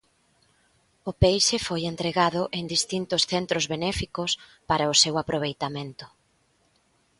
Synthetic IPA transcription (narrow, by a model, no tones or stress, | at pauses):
ʊpejʃefojent̪ɾeɣaðʊʔeŋd̪ist̪int̪ʊsθent̪ɾozβenɛfikʊspaɾɐʊsewapɾoβ̞ejt̪amẽnt̪ʊ̥